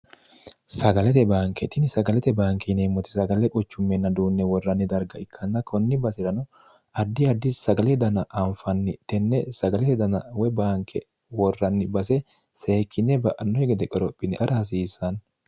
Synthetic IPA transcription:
sɐɡɐlɛt̪ɛbaːŋkɛt̪ɪnsɐɡɐlɛt̪ɛbaːŋkɛnemːɔt̪ɪ̥sɐɡɐlɛkʼɔt͡ʃːʊmːɛnːɐd̪uːnːɛwɔrːɐnːɪd̪ɐɾɡɐɪkʰːɐnːɐkʰɔnːɪbɐsɪɾɐnɔ | ɐd̪ːɪɐd̪ːɪsɐɡɐlɛd̪ɐnɐʔɐɱfɐnːɪt̪ɛnːɛsɐɡɐlɛt̪ɛd̪ɐnɐwɛbaːŋkɛ | wɔrːɐnːɪbɐsɛ | se̞ːkʰːɪnːɛbɐʔɐnːɔhɛɡɛd̪ɛkʼɔɾɔpʼːɪnɪʔɐɾɐhɐs̬iːsːɐn

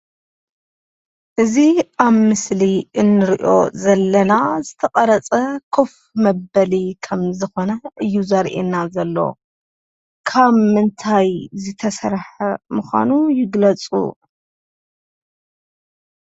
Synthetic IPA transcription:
ʔɨziaβmɨsliɨnːɨɾiʔo̞̰zɐlːɐnazɨt̪ʰɐqʼɐɾɐt͡sʼɐkʰof | mɐbɐlikʰɐmzɨxo̞nɐʔɨjːuzɐɾʔḛnazɐlːo̞̰ | kʰaβmɨnt̪ʰajzɨt̪ʰɐsɐɾħɐmuxʷa̰nujɪɡlɐt͡sʼṵ

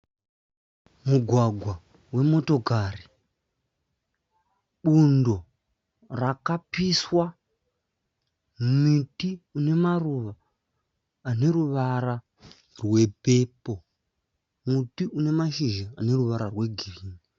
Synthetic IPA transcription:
muɡʱwaɡʱwa | we̞mo̞to̞kari | ɓundo̞ | rakapiswa | mitiune̞maruʋaː | ne̞ɾuʋaɾa | rwe̞pe̞po̞ | mutiune̞maʃiʒaːne̞ruʋaɾarwe̞ɡʱiriːni

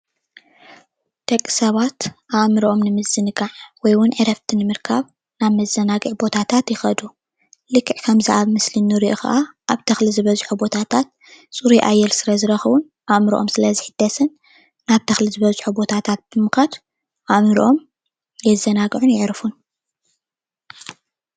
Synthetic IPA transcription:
d̪̥ɐkʼːi̥sɐβat̪ʔamɾʔo̞mnɨmɨzːɨnɨɡaʕwɔjwʊnʕɨɾɐft̪ʰinɨmɨɾkʰaβ | naβmɐzːɐnaɡɨʕbo̞t̪ʰat̪ʰat̪jɪxɐd̪u | lɨkʰːɨʕkʰɐmziʔaβmɨslinːɨɾiʔuxɐ̰ʔaʔaβt̪ʰɐxlizɨβɐzʼħubo̞t̪ʰat̪ʰat̪̚ | t͡sʼuɾujʔajːɛlsɨɾɐzɨɾɐxβun | ʔaʔmɾiʔo̞̰msɨlɐziħɨd̪̥ːɐsɨnː | aβt̪ʰɐxlizɨβɐzʼħubo̞t̪ʰat̪ʰat̪̚b̥ɨmɨxɐd̪ | ʔamɾʔo̞m | jɛzɐnaɡʕunjɪʕɾfun

